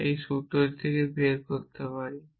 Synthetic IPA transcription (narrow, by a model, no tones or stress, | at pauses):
ejʃuʈoɾt̪ʰekebeɾkoɾt̪epaɾe